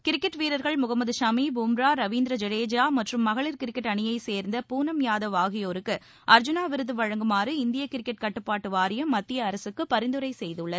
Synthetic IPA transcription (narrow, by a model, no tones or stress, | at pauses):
kɪɾɪkːɐʈːʋiːɾɐɾɣɐɭmʊɣɐmɐðɯʃaːmibuːmɾaːɾɐʋiːnd̪ɾɐd͡ʒɛɾeːd͡ʒaːmɐʈrɯmːɐɣɐɭɪɾkɪɾɪkːɐʈːɐɳɪjɐɪseːɾnd̪ɐpuːnɐmjaːðɐʋaːɣɪjoːɾɯkːɯ | ʔɐɾd͡ʒʊnaːʋɪɾɯðɯʋɐɻɐŋɡɯmaːrɯɪnd̪ɪjɐkɪɾɪkːɐʈ̚kɐʈːɯpːaːʈːɯʋaːɾɪjɐmːɐt̪ːɪjɐːɾɐsɯkːɯpɐɾɪnd̪ɯɾɐɪsɛjðɯɭːɐð